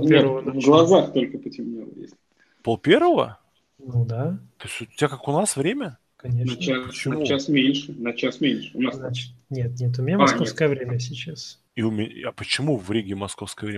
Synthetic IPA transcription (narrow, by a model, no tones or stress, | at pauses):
nʲeɾəvəd̪vɡlˠɐzaxt̪olʲkəpətʲɪmnʲelˠə̰jḛsʲ | polˠpʲervəvə̰ | nud̪at̪oɪsʲt̪ʲotʲakakʊnasvɾʲemʲə | kɐnʲet͡ɕapt͡ɕɪmuasmʲenʲʂɨnɐt͡ɕasmʲenʲʂɨʊnasnʲet̪̚nʲet̪̬ʊmʲɪnʲammɐsofskəjəvɾʲemʲəsʲɪt͡ɕas | iʊmʲɪɐpət͡ɕɪmuvɾʲiɡʲɪmɐsko̞fskəjəvɾʲe